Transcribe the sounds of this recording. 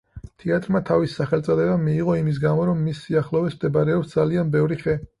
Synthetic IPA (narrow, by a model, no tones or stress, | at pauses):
t̪ʰɛat̪ʼɾmat̪ʰavisːaχɛlt̪sʼɔd̪ɛbamːiːʁɔimis̬ɡamɔɾɔmːisːiaχlɔvɛsmd̪ɛbaɾɛɔpsd̪zalianbɛvɾiχɛ